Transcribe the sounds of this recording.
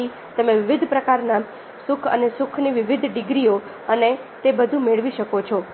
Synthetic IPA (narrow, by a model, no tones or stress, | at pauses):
i | t̪əmẽʋɪʋɪd̪ʱpɾəkaɾna | sʊkʰə̰nesʊkʰniʋɪʋɪd̪ʱɖɪɡɾio | əne | t̪ebəd̪ʱũmeɭʋiʃəkot͡ʃʰɔ